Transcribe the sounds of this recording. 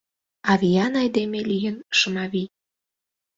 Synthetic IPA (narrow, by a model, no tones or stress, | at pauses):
ɑvijɑnɑjd̪emelijənʃəmɑβi